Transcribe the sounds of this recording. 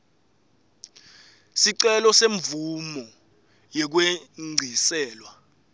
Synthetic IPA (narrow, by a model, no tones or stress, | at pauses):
siǀɛlɔseɱb̪vumɔ | jɛk̬weŋ͡ǀʱisɛːlwa